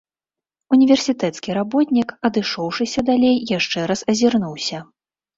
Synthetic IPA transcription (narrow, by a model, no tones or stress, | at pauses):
unʲivʲɛrsʲit̪ɛt̪skʲiɾabɔt̪ʲnʲikɐd̪ɨʂɔwʂɨsʲɐd̪alʲejːaʂt͡ʂɛɾasɐzʲirnuwsʲɐ